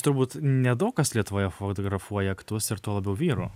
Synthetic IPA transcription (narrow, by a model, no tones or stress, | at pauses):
t̪ʊɾbuːt̪nʲɛd̪oːkɐslʲiɛt̪ʊʋoːjɛfot̪oːɡɾɐfuɔjɛɐkt̪ʊsɪɾt̪uɔlˠɐbʲɛʊʋʲiːɾu